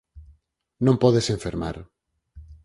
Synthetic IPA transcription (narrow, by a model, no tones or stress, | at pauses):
nõmpɔðeseɱfeɾma̰ɾ